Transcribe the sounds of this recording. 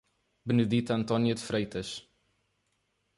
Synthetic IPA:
bənədit̪antɔnjətfrejtʰəs

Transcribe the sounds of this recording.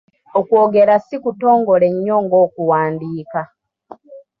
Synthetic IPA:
okwo̞ːɡe̞ɾasikuto̞ːŋɡoleɲːo̞ŋɡo̞ːkuwaːndiːka

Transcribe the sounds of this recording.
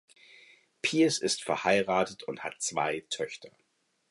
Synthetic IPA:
pʰiːəsɪstfɛɐhaɪʁaːtətʰʊntha̰tt͡sv̥a̰ɪtʰœçtʰɐ

